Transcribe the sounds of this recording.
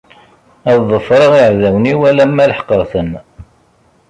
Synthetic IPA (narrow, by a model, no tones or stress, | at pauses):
æðˤːəfɾˤəʁiʕðæwniwælæmːæləħqəɾˤθən